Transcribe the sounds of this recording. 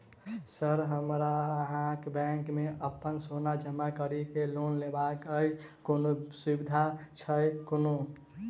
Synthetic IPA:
səɾɦəmɾaɦãkbɛ̃ŋkmẽʔəpːənsonad͡ʒəmakəɾikeloːnlebakəj | konoswibid̪ʱat͡ʃʰəjkono

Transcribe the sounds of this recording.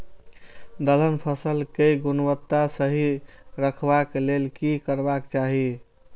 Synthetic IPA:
d̪ələnpʰəsəlkejɡunwət̪ːasəɦiɾəkʰbakelelkikəɾbakt͡ʃaɦi

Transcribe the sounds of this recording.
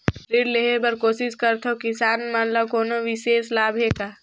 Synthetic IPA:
ɾiːɖleɦebəɾkoːsɪskəɾt̪ʰokisaːnmənləbkoːnoʋɪseːslaːbʱɦeka

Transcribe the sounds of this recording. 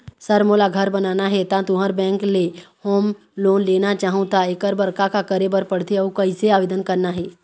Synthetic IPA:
səɾmoːlaɡʱɐɾbɐnaːnaɦɛt̪ãt̪ʊɦəɾbɛ̃ːŋklehoːm | loːnleːnat͡ʃaːɦũt̪aekəɾbɐɾkakakəɾebəɾpəɽ̤t̪eɔkəɪseaːʋeːd̪ənkɐɾnaɦɛː

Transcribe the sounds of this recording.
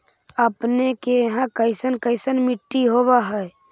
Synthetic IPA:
əpnekeɦãkəɪsənkəɪsənmɪʈːiɦobaɦɛ

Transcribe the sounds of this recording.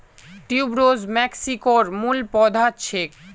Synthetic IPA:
ʈiubɾozmɛksikoɾmulpɔd̪ʱat͡ɕʰek

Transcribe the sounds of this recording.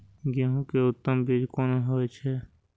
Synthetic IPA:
ɡeɦũkeʊt̪ːəmbiːd͡ʒkoːnoɦoːet͡ʃʰɛ

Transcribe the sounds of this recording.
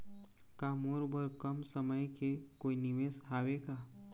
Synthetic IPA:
kaːmuːɾbʱəɾkɐmsəməjkekoːinɪʋeːsɦaːʋekaː

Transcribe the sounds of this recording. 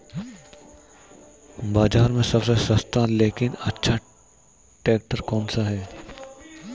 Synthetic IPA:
baːd͡ʒaːɾmẽsɐbsesɐst̪aleːkɪnɐtːʃʰa | ʈeːk̚ʈəɾkɔːnsaɦɛː

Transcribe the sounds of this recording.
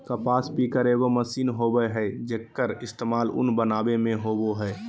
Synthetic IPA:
kəpaːspikəɾeɡoməsiːnɦobəjɦɛd͡ʒekːəɾɪst̪eːmaːlʊ̰nbənaːbemẽɦoboɦɛː

